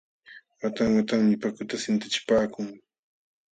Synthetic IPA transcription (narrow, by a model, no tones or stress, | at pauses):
wat̪aŋwat̪aŋmɪpakʊt̪asɪnt̪ɪt͡ʃɪ̥paːkʊŋ